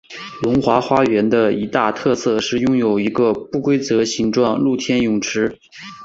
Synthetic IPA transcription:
lʊ˧˥ŋxwa˧˥xwa˥ɥɛ˧˥nd̪ə˧i˧˥t̪a˥˧t̪ʰɤ˥˧sɤ˥˧ʂɻ̩˥˩jʊ˥ŋjo˨˩ʊi˧˥ɡə˧pu˥˩kwe˥ɪt͡sɤ˧˥ɕi˧˥ŋʈ͡ʂwɑ˥˧ŋlu˥˩t̪ʰjɛ˥njʊ˨˩ŋʈ͡ʂʰɻ̩˥

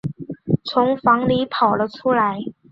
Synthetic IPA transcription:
t͡sʰʊ˧˥ŋfɑ˧˥ŋli˧˥pʰɑ˨˩ʊlə˦ʈ͡ʂʰu˥la˧˥ɪ

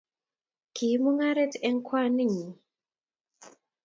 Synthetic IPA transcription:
kʰi˨˦mu˦ŋa˦ɾɛ˦tɛ˦ŋ˦kʰwa˦ni˦˨ɲi˨

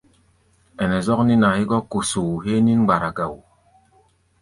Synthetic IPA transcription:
ɛ˨nɛ˨zɔ˦kni˦na˨hi˦ɡɔ˦ko˨su˨u˨ɦe˦ni˦ŋ˦ɡ͡ba˨ɾa˨ɡa˨wu˨

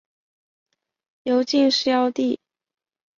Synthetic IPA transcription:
jo˨˧˥ʊt͡ɕi˥˧ŋʂɻ̩˥˧jɑ˥˧ʊt̪i˥˩

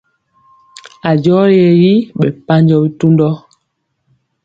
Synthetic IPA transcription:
a˨d͡ʒɔ˦je˨ji˦ɓɛ˨pa˦ɲd͡ʒɔ˦bi˦tu˦ndɔ˦

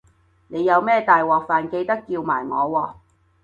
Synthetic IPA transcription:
ne˨˧jɐ˨˧wmɛː˥˩t̪aː˨jwɔː˨k̚faː˨nke˧jt̪ɐ˥kːiː˧wma̰ː˨˩jŋɔː˨˧wɔː˧

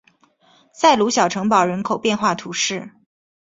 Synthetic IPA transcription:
sa˥˩ɪlu˧˥ɕjɑ˨˩ʊʈ͡ʂʰɤ˧˥ŋpɑ˨˩ʊɻə˧˥nkʰo˨˩ʊpjɛ˥˧nxwa˥˩t̪ʰu˧˥ʂɻ̩˥˩

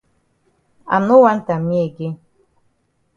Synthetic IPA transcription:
a̰˨mno˦wa˦n˦ta˨mi˦e˨ɡe˦

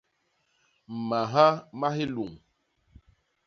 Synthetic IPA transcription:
m˨ma˨ɦa˦ma˦ɦi˦lu˨ŋ

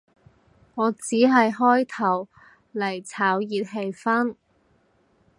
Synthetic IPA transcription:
ŋɔː˨˧t͡siː˨˥ɦɐ˨jɦɔː˥jt̪ʰɐ˨˩w | lɐ˨˩jt͡sʰaː˨˥wjiː˨t̚ɦe˧jfɐ˥n

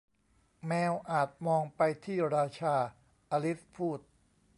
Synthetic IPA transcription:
mɛː˧wʔaː˨˩t̪̚mɔː˧ŋpa˧jt̪ʰiː˥˩ɾaː˧t͡ɕʰaː˧ | ʔaː˧li˦˥fpʰuː˥˩t̪̚

